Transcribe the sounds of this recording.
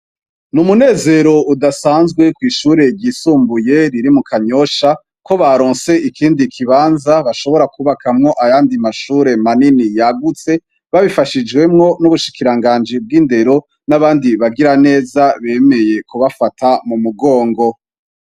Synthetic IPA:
numune̞ːze̞ɾo̞udasaːnzɡwe̞kwiːʃuːɾe̞ɟiːsuːmbuje̞ɾiɾimukʰaɲo̞ʃa | ko̞βaɾoːnse̞ʔikʰiːndikʰiβaːnzaβaʃo̞βo̞ɾakʰuːβakʰamŋo̞ʔajaːndimaʃuːɾe̞maninijaɡut͡se̞ | βaβifaʃid͡ʒɡwe̞mŋo̞nuβuʃi̥kiɾaŋɡaːnd͡ʒib̚ɡiːnde̞ɾo̞ | naβaːndiβaɡiɾane̞ːzaβe̞ːme̞je̞kuβafatʰamumuɡo̞ːŋɡo̞

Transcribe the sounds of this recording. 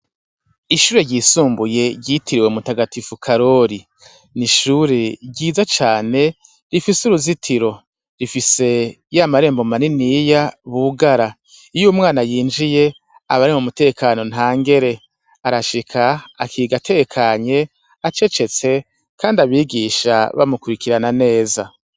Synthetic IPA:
iʃuːɾeɟiːsuːmbuje̞ɟitiɾiwemutaɡatifukʰaɾo̞ɾi | niʃuɾeɟiːzat͡ʃaːne̞ | ɾifisuɾuzitʰiɾo̞ | ɾifise̞ | jamaɾe̞ːmbo̞maninijaβuɡaɾa | ijumŋaːnajiːnd͡ʒije̞ | aβaɾimumute̞ːkʰaːno̞n̥ɦaːŋɡe̞ɾe̞ | aɾaʃikʰaakiːɡatʰe̞ekʰaɲe̞ | at͡ʃe̞t͡ʃe̞t͡se̞ | kaːndiaβiːɡiʃa̰βa̰mukuɾikiɾanane̞ːza

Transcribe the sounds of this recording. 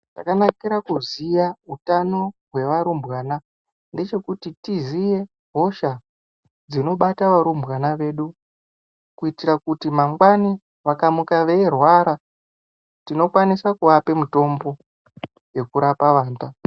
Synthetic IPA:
takanakiɾakuzijautano̞ɦwe̞ʋaɾumbwaːna | nde̞t͡ʃe̞kutitizije̞ | ɦo̞ʃa | d͡zino̞ɓataʋaɾumbɣanaʋe̞ɗu | kuitiɾakutimaŋɡwani | ʋakamukaʋeerwaɾa | tino̞kwanisakuʋape̞muto̞mbo̞ | je̞kuɾapaʋaːnta

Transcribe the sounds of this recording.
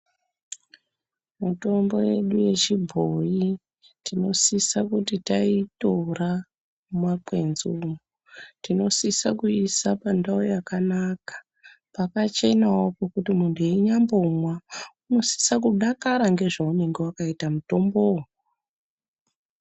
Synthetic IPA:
muto̞mbo̞je̞ɗuje̞t͡ʃibʱoji | tino̞sisakutitaitora | mwakwe̞nzumu | tino̞sisakuisapandaojakanakḁ | pakat͡ʃe̞nawopokutimundeiɲambo̞mwauno̞si̥sak̬uɗakaɾaŋɡe̞ʐaune̞ŋɡewakaitamuto̞mbo

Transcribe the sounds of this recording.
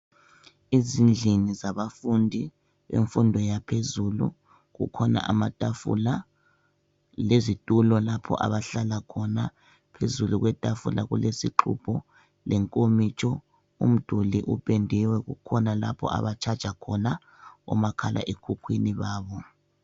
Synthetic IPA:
izind͡ɮʱinizaβafundʱi | βḛɱfundʱɔjapʰezulṵ | ɣṵkʰɔna̰ʔamatʼafṵla | lezitʼulɔlapʰɔ̰ʔa̰βaɬalakʰɔna | pʰezuluɣwɛtʼafṵla̰ɣulesiǃʰṵpʰɔ | lɛŋkʼomit͡ʃʰʼɔ | ṵm̩d̥ʱuliʔupʼendʱiwɛɣṵkʰɔnalapʰɔ̰ʔa̰βat͡ʃʰḁt͡ʃʼakʰɔna | ɔ̰makʰalʔa̰ʔekʰukʰwiniβaːβɔ

